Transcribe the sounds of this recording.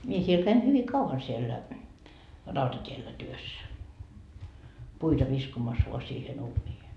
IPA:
mie siel kæin hyʋi kɑuʋɑn sielːæ rɑutɑtʲielːæ tyøsːæ puitɑ ʋiskomɑs ʋoɑ siːhen uːnʲiːhe

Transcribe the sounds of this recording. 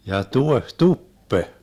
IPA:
jɑ tuehtupːe

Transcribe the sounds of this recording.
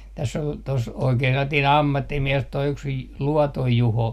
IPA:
tæsː ol tos oikeː selːɑtiːn ɑmːɑtːimiɛs toi yks j luɔtoj juho

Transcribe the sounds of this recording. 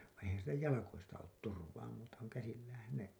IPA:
ʋɑĩː eihæn̞ silːæ jɑlɑkoistɑ oːt turʋɑː muːtɑ kuŋ kæsilːæːhæn ne

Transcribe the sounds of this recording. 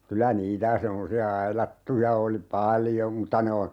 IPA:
kylæ niːtæ semːosiɑ ɑilɑtːujɑ oli pɑljom mutːɑ ne on̞

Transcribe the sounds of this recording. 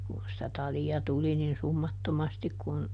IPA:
kun sĭtæ tɑliɑ tuli nin sumːɑtːomɑstik kun

